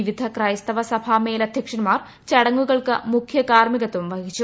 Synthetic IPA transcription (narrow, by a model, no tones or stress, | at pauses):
ʋid̪ʱɐkrɐjɐst̪ɐʋɐsɐbʱaːmeːlɐd̪ʱjɐkʂɐnmaːr | t͡ɕɐɽɐŋːuɣɐɭkɨmukʰjɐkaːrmiɣɐt̪ːumʋɐɦit͡ɕːu